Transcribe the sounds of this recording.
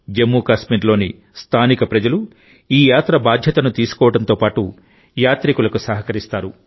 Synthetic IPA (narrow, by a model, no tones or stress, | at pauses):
d͡ʒemːuːkaːsmiːɾlo̞ːni | st̪ʰaːnikɐpɾɐd͡ʒɐlu | iːjaːt̪ɾɐbaːd̪ʱjɐt̪ɐnut̪iːsu̥kɔːʋɐɽɐnt̪o̞ːpaːʈu | jaːt̪ɾikulɐkusɐɦɐkɐɾist̪aːɾu